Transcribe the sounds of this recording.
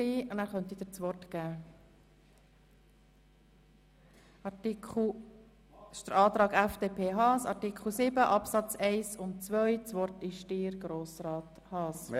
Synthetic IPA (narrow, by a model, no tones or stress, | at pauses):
iːʊnæːɾχœnt̪id̥̪it͡sʋɔrtɡ̥æː | ɑtil | ʃd̥̪əɾɑːt̪ɾɑːɡæfd̥eːpʰeːɦɑːsɑ̰ɾtikʰl̩sɪbəʔɑpsɑt͡sɛɪsʊntt͡sʋœʏt͡sʋɔrtɪʃtiːɾɡɾoːsɾɑːt | hɑːs